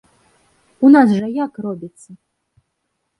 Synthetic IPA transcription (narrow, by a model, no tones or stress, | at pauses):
unasʐɐjakrɔbʲit̪sːɐ